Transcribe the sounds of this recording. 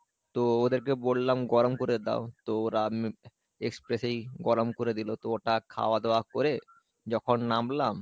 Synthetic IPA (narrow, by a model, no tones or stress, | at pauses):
t̪ood̪eɾkebolːamɡɔɾomkoɾed̪a̰ot̪ooɾam | ekspɾesejɡɔɾomkoɾed̪ilot̪ooʈakʰa̰oad̪eoakoɾe | d͡ʑɔkʰonːamlam